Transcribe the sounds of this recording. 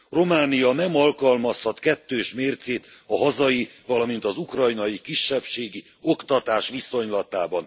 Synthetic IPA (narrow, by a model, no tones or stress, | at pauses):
ro̞maːnijɒnɛmɒlkɒlmɒshɒt̪kɛt̪ːøːʃmeːrt̪seːt̪ɒɦɒzɒjivɒlɒmint̪ɒzukrɒjnɒjikiʃːɛpʃeːɡi | o̞kt̪ɒt̪aːʃʋiso̞ɲlɒt̪aːbɒn